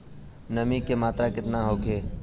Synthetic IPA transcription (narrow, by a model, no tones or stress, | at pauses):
nəmiːkemaːt̪ɾakɪt̪naːɦoːkʰeː